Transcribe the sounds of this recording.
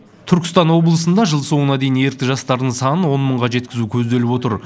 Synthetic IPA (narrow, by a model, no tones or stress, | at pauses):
t̪ʰʏɾkʲɪ̥st̪ɑnwo̞blˠəsənd̪ɑʒəlˠso̞ɴənɑd̪e̞jɪne̞ɾt̪ɪʒɑst̪ɑɾd̪əɴsɑnənwo̞nməɴʁɑʒe̞t̪kʲɪzukʲʰɵzd̪e̞lɪpwo̞t̪əɾ